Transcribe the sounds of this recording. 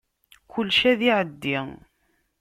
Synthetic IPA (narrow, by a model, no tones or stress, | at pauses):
kʊlːʃæðiʕəd̪ːi